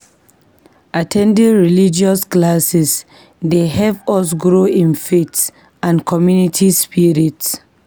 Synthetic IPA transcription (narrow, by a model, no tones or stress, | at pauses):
ʔatʰɛ̃ndĩŋɹilid͡ʒiɔsklasɛs | dehɛvɔs̬ɡɹoĩnfets | ãnkʰɔmjunitʰispiɹits